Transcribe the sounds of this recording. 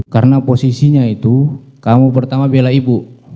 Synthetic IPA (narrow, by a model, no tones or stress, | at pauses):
kaɾənaposisiɲait̪u | kamupərt̪amabilaibu